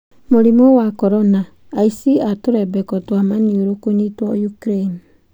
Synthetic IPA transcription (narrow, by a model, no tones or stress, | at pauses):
moɾimɔwakɔɾɔnaː | isiatoɾɛbɛkɔtwamanioɾokonitwɔjukɾeni